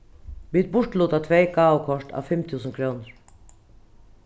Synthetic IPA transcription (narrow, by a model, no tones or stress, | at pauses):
ʋiːt̪̚bʊʈluːt̪at̪ʰʋeɪɡɑːʊkʰɔʂʈa̰ːʋfɛmt̪ʰʉːsən̩kʰɾoːnəɹ